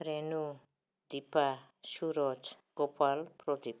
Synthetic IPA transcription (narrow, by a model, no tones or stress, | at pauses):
ɾenu | d̪ipa | suɾɔt͡s | ɡ̥opʰalprɔd̪ip